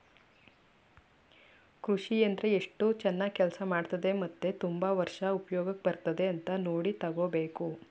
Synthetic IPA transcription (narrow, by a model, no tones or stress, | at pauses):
kɾuʂiɐnd̪ɾeeʂʈut͡ʃɛnːaːɡ̚kɛlsɐmaːɖt̪ɐd̪e̞mɐt̪ːe̞t̪umbɐʋɐɾʂɐupɐjɔːɡɐk̚ːbɐɾt̪ɐd̪e̞ɐnt̪ɐnoːɽit̪ɐɡoːbe̞ːku